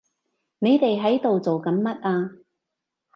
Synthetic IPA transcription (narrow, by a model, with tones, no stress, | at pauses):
ne˨˧jt̪e˨jɦɐ˨˥jt̪o˨wt͡so˨wkɐ˨˧˥mmɐ˥t̚aː˧